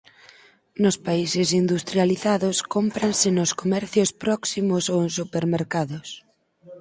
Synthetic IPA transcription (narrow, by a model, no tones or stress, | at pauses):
nʊspaisɪsind̪ust̪ɾjaliθaðʊskompɾansɪnʊskomɛɾθjʊspɾɔksimosowẽnsupeɾmeɾkaðʊs